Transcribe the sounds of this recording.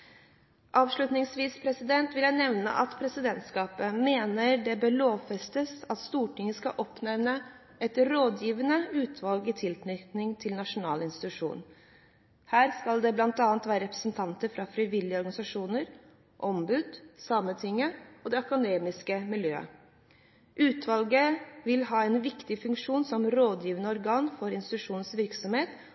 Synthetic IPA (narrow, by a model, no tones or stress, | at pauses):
ʔɑːʋʂɭʉt̪nɪŋsʋiːspʰɾɛsɪd̪ɛnt̪ʋɪljæɪnɛʋnə̰ʔɑt̪pʰɾɛsɪd̪ɛnt̪skɑːpəmeːnəɾɖɛbøloːʋfɛst̪əsɑt̪st̪uːʈɪŋːəskɑʔɔpnɛʋnə | ɛt̪ɾoːd̪jiːʋənəʉːt̪ʰʋɑlɡɪt̪ʰɪlt̪nʏkt̪nɪŋt̪ʰɪlnɑʂʊnɑ̰ːlɪnst̪ɪ̥t̪ʉʂṵːn | hæːɾskɑld̪ɛblɑnt̪ɑːnt̪ʋæːɾəɾɛpɾə̥sn̩t̪ʰɑnt̪əɾfɾɑfɾɪʋɪlːɪəɔɾɡɑnɪsɑʂuːnəɾ | ʔɔmbʉːd̪sɑmət̪ʰɪŋːəɔd̪ɛɑkʊneːmɪskəmɪljøːə̰ | ʔʉːt̪ʰʋɑlɡəʋɪlɦɑːɛnʋɪkt̪ɪfʉŋkʂuːnsɔmɾoːd̪jiːʋənəɔɾɡɑːnfɔɾɪnst̪ɪt̪ʉʂuːnn̩sʋɪɾksɔmheːt̪